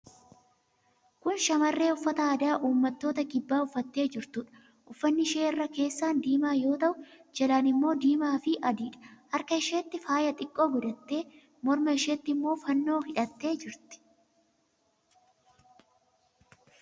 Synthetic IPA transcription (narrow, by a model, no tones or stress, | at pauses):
kʊnʃɐmɐrːe̞ːʊfːɐt̪ɐɐːd̪aːʔuːmːɐt̪ːo̞ːt̪ɐkɪbːaːʊfːɐt̪ːe̞ːd͡ʒɪɾt̪ʊᶑɐ̥ | ʔʊfːɐnːɪʃeːɪrːɐke̞ːsːaːnd̪iːmaːjo̞ːt̪ɐʔʊd͡ʒɐlaːnɪmːo̞ːd̪iːmaːfɪʔɐd̪iːᶑɐ̥hɐɾkɐɪʃeːt̪ːɪfaːjɐt̪ʼɪkʼːo̞ːɡʊd̪ɐt̪ːe̞ː | mɔɾmɐɪʃeːt̪ːɪmːo̞ːfɐnːo̞ːhɪᶑɐt̪ːe̞ːd͡ʒɪɾt̪ɪ̥